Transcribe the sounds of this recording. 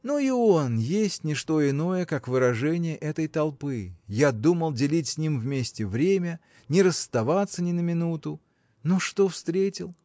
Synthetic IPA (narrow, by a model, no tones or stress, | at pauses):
nuionjesʲtʲnʲɪʂt̪o̞ɪno̞jəkakvɨɾɐʐɛnʲɪjəʔɛt̪əjt̪ɐlˠpɨjad̪uməlˠdʲɪlʲitʲsʲnʲimvmʲesʲtʲɪvɾʲemʲə | nʲɪɾəsːt̪ɐvat̪sənʲɪnəmʲɪnut̪ʊ | noʂt̪ofst̪ɾʲetʲɪlˠ